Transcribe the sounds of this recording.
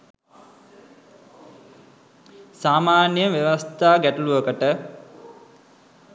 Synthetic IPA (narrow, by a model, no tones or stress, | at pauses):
saːmaːnjəmʋeʋɐst̪aːɡæʈuluəkəʈə